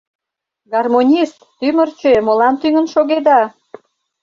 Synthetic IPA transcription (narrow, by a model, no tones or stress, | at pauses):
ɡɑrmonʲist̪ːymərt͡ɕemolɑnt̪yŋə̆nʃoɣed̪ɑ